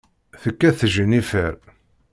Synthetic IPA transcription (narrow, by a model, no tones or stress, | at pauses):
θəkːæθəʒənifəɾ